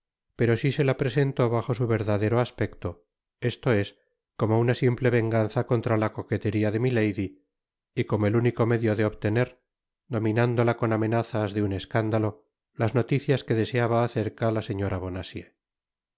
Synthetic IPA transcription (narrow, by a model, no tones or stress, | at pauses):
pe̞ɾo̞sise̞lapɾe̞se̞nt̪o̞βaχo̞suβe̞ɾðaðe̞ɾo̞aspe̞kt̪o̞ | e̞st̪o̞e̞s | ko̞mounasimple̞βe̞ŋɡanθako̞nt̪ɾalako̞ke̞t̪e̞ɾiaðe̞mile̞jði | iko̞moeluniko̞me̞ðjo̞ðe̞oβt̪e̞ne̞ɾ | d̪o̞mĩnand̪o̞lako̞name̞naθazðeune̞skand̪alo̞ | lazno̞t̪iθjaske̞ðe̞se̞aβaːθe̞ɾkalase̞ɲo̞ɾaβ̞o̞nasje